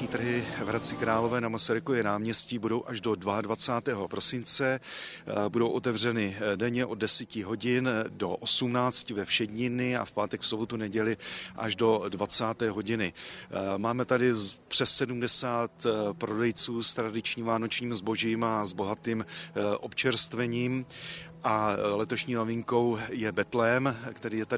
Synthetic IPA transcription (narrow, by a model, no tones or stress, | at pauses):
ɲiːt̪rɦɪvɾat͡sɪkɾaːlo̞vɛːnamasaɾɪkovjɛnaːmɲɛsciːbudo̞wʔaʒdo̞dvaadvat͡saːt̪ɛːɦo̞pɾo̞sɪnt͡sɛ | budo̞wʔo̞t̪ɛvr̝ɛnɪdɛɲɛʔo̞d̚dɛsicɪɦo̞ɟɪndo̞ʔosumnaːt͡scɪvɛfʃɛɟɲɪnɪa̰fpaːt̪ɛkfso̞bot̪unɛɟɛlɪʔa̰ʒdo̞dvat͡saːt̪ɛːɦo̞ɟɪnɪmaːmɛt̪adɪpr̥ɛsːɛdumdɛsaːt̪pɾo̞dɛjt͡suːst̪ɾadɪt͡ʃɲiːmvaːno̞t͡ʃɲiːmzbo̞ʒiːmazbo̞ɦat̪iːmʔo̞pt͡ʃɛɾst̪vɛɲiːmʔalɛt̪o̞ʃɲiːno̞vɪŋko̞wjɛbɛt̪lɛmkt̪ɛɾiːjɛt̪a